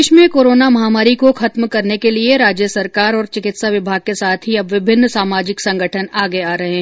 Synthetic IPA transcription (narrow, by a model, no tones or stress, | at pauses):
ʃmẽkoːɾoːnamɐɦaːmaːɾikoxɐt̪mkɐɾnekelieɾaːd͡ʒjəsɐɾkaːɾɔːɾt͡ʃɪkɪt̪saʋɪbʱaːɡ̚kesaːt̪ʰɦiɐbʋɪbʱɪnːsaːmaːd͡ʒɪksɐ̃ŋɡʱəʈʰənaːɡeaːɾɐɦẽɦ